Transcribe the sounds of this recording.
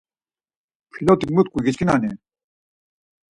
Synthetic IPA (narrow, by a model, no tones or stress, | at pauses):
pʰilot̪ikmut̪̚kuɣit͡ɕkinaːne